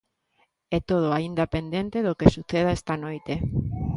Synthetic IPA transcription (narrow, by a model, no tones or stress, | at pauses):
ɛt̪oð̞oaind̪apend̪ent̪eðokesuθeð̞aɛst̪anojt̪e